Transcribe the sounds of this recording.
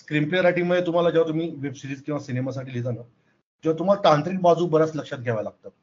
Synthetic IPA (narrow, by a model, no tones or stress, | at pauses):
skɾimpleɾaʈiːməjet̪um̤alad͡ʑaʋat̪um̤iːʋebsiɾiːd͡zkĩw̃ʋasinemasaʈiːlit̪ana | d͡ʑĩw̃ʋat̪um̤alat̪ãnt̪ɾiːk̚bad͡zuːbəɾat͡sləkʂat̪̚ɡʱɛʋalaɡ̚t̪a